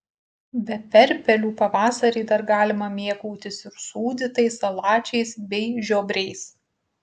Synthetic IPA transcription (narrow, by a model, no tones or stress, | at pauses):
bʲɛpʲɛɾʲpʲɛlʲuːpɐʋɑːsɐɾʲɛːd̪ɐɾɡɑːlʲɪmɐmʲiɛkuʊt̪ʲɪsɪɾsuːd̪ʲɪt̪ɐɪsɐlˠɑːt͡ʃʲɛɪsbʲɛɪʒʲoːbʲɾʲɛɪs